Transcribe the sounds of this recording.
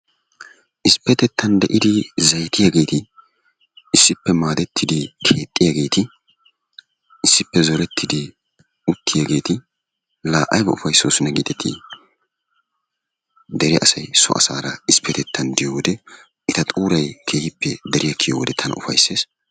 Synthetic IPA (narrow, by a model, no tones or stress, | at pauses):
ʔɪspːɛt̪ɛt̪ːɐnd̪ɛʔɪd̪ɪzɐjt̪ɪjaːɡe̞ːt̪ɪ | ɪsːɪpːɛmaːd̪ɛt̪ʰːɪd̪ɪkʰe̞ːt̪ʼːɪjaːɡe̞ːt̪ɪ | ɪsːɪpːɛzɔɾɛt̪ːɪd̪ɪ | ʊt̪ːɪjaɡe̞ːt̪ɪ | laːʔɐjɡɐʊfɐjsːoːsɪnɐɡid̪ɛt̪ʰːɪ̰ | d̪ɛɾɪʔɐsɐjsɔ̰ʔɐ̰saːɾɐɪspʰːɛt̪ɛt̪ːɐnd̪ɪjowɔd̪ɛ | ɪt̪ɐt̪ʼuːɾɐjkʰeːhɪpʰːɛd̪ɛɾɪjɐkʰːɪjɔwɔd̪ɛt̪ʰɐnʊ̰fɐ̰jse̞ːs